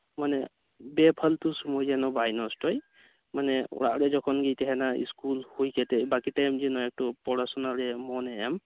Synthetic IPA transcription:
manɛ | bɛpʰaltʊsumojzanɔbajnɔstɔj | manɛʊ̰ɹa̰ʔɾɛzɔkʰɔnɡitɛɦɛnaḭskulhojkɛtɛbakitajmzinɔɛk̚tɔpɔɹasɔnalɛmɔnɛɛm

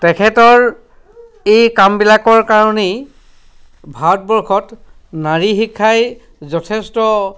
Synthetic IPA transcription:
tɛkʰɛtɔɹ | ejkambilakɔɹkaɹɔne | bʱaɔt̚bɔɹkʰɔt | naɹixikʰːaj | zɔtʰɛstɔ

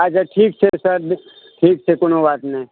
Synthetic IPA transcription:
aːt͡ʃaʈʰiːksʰesɐɾ | ʈʰiːk̚sʰekʊnoʋaːt̪nẽ

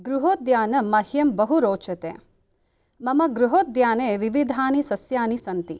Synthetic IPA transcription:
ɡɾuɦoːd̪jaːnɐmɐɦjɐmbɐɦuɾoːt͡ʃɐt̪ḛː | mɐmɐɡɾuɦoːd̪jaːneːʋiʋid̪ʱaːnisɐsjaːnisɐnt̪ḭ

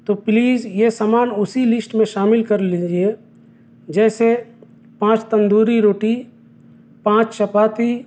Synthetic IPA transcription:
t̪oːpliːzjesaːmaːnʊsilɪsʈmẽʃaːmɪlkɐɾlid͡ʒie | d͡ʒɛːse | pãːt͡ʃt̪ɐ̃nd̪uːɾiɾoːʈi | pãːt͡ʃt͡ʃɐpaːt̪i

